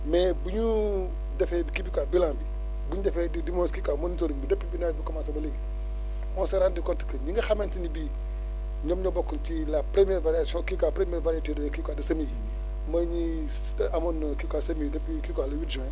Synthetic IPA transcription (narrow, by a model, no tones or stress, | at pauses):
mebuɲu | defɛbikibikabilãmbi | buɲudefedidimõnskikamonitoɾibidapːibinabukamasobaleɡi | ɔnseɾandikɔnti̥kəɲiŋɡaxamentinibi | ɲomɲobokːuntilapɾemieɾvaɾiasõkikapɾemieɾvaɾatedkikadɐsami | maɲi | amonkikasamidapikikalawudd͡ʒo